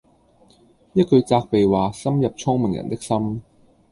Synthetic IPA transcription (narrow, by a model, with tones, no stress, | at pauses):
jɐ˥t̚kɵ˨˧ɥt͡saː˧k̚pe˨jwaː˨sɐ˥mjɐ˨p̚t͡ʃʰɔː˥ŋmɪ˨˩ŋjɐ̰˨˩nt̪ɪ˥k̚sɐ˥m